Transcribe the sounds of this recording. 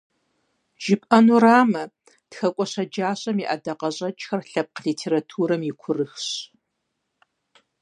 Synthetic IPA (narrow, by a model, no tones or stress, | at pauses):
ʒ̥ɪpʼɐnuɾaːmɐ | txɐkʷʼɔɕɐd͡ʒaːɕʼɐmiʔɐ̰dɐqɐɕʼɐt͡ʃʼxɐrɬɐp̚qɮiːtʰeːɾatʰuːɾɐmjɪkʷʰʊrɨxɕ